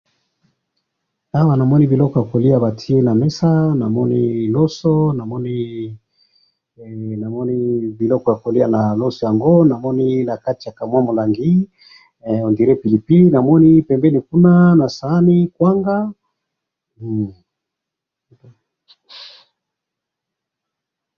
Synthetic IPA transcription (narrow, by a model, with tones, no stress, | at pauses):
a˦wa˨na˨mɔ˦ni˦bi˨lɔ˦kɔ˨ja˨ko˨li˦a˨ba˨tʰi˦e˦na˨mɛ˦sa˦na˨mɔ˦ni˦lɔ˦sɔ˦na˨mɔ˦ni˦ | na˨mɔ˦ni˦bi˨lɔ˦kɔ˨ja˨ko˨li˦a˦na˨lo˦sɔ˨ja˨ŋɡo˦na˨mɔ˦ni˦na˨ka˦ti˨ja˨ka˨mwa˦mo˨la˨ŋɡi˦ | o˨ndi˨ɾe˦pi˨li˨pi˦li˦na˨mɔ˦ni˦pɛ˨mbɛ˦ni˨ku˦na˦na˨sa˨˦ni˦kwa˦ŋɡa˦˨